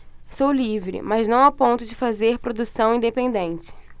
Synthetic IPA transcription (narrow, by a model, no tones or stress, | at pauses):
sowlivɾɪ̰mɐznɐ̃w̃apõnt̪ʊd͡ʒɪfazeɾpɾod̪usɐ̃w̃ĩd̪epẽnd̪ẽnt͡ʃɪ̥